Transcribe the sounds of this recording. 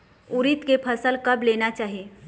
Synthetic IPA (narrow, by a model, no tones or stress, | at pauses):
ʊɾɪt̪kepʰɐsəlkɐbleːnat͡ʃaːɦieː